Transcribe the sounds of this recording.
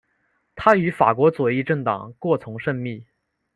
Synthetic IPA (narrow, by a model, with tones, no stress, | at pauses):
t̪ʰa˥y˧˥fa̰˨˩kwɔ˧˥t͡swɔ˨˩i˥˧ʈ͡ʂɤ˥˩ŋt̪ɑ̰˨˩ŋkwɔ˥˩t͡sʰʊ˧˥ŋʂə˥˧ŋmi˥˩